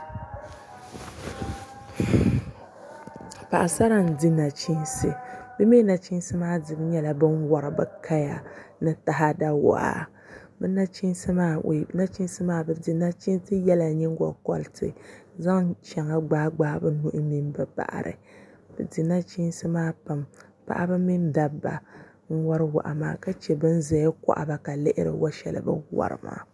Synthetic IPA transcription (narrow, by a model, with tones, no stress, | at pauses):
pa˨ʔa˨sa˦ɾa˦n̩˨dɨ˦na˨t͡ʃi˦nsɨ˨bɨ˦meː˦na˨t͡ʃi˦n˦sɨ˦maː˦dɨ˨bɨ˦ɲɛ˦la˨bɨ˦nwɔ˨ɾɨ˨bɨ˦ka˦ja˨nɨ˦ta˨ɦa˦da˦wɔ̰˨ʔa̰˨ | bɨ˦na˦t͡ʃi˦n˦sɨ˦maː˦˨na˦t͡ʃi˦n˦sɨ˦maː˦bɨ˨dɨ˨na˦t͡ʃi˦n˦tɨ˦jɛ˦la˨ɲɛ˦ŋ˦ɡɔ̰˨kɔ̰˦ltʰɨ˨za˦ŋt͡ʃɛ˨ŋa˦ɡ͡baː˦ɡ͡baː˦bɨ˦nu˦ʔɨ˦mi˦mbɨ˨ba̰˨ʔɾɨ̰˨ | b̥ɨ˨di˨na˦t͡ʃi˦n˦sɨ˦maː˦pa˨m | pa̰˦ʔa˦bɨ˦mi˦nda˦bba̰˨ | ŋ̩˦wɔ˦ɾɨ˦wa̰˨ʔa̰˨ma̰ː˨ka˦t͡ʃɛ˨bɨ˦n̩˦zɛ˨˦kɔ̰˦ʔa̰˨ba˨ka˨lɪ˦ʔɪ˦ɾɨ̰˨wʔa˦ʃɛ̰˨lɨ̰˨bɨ̰˦wɔ̰˦ɾɨ̰˨ma̰ː˦˨